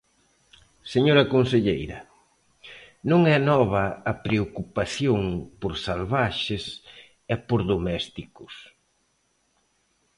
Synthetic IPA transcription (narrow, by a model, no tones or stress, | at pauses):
seɲoɾɐkonseʎejɾɐ | nõŋɛnɔβ̞ɐːpɾeokupaθjoŋpoɾsalβaʃes | ɛpoɾðomɛst̪ikʊs